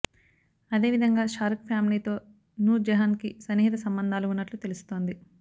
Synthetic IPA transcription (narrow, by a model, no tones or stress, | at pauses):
ɐd̪e̞ːʋid̪ʱɐŋɡaːʃaːɾkpʰjaːmiliːt̪o̞ː | nuːɾd͡ʒɐɦɐnkisɐniɦit̪ɐsɐmbɐnd̪ʱaːluːnːɐʈlut̪e̞lusu̥t̪o̞ːnd̪i